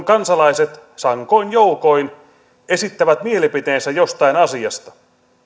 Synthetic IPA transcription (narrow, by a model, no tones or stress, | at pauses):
ŋkɑnsɑlɑiset̪sɑŋko̞injouko̞in | e̞sit̪ːæʋæt̪mie̞lipit̪eːnsæjost̪ɑinɑsiɑst̪ɑ̥